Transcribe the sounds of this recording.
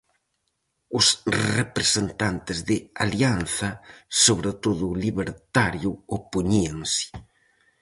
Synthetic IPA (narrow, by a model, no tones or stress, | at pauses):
ʊsrepɾesent̪ant̪ɪzðɪa̰lianθɐsoβɾet̪oðʊliβeɾt̪aɾjʊopuɲiaŋsɪ̥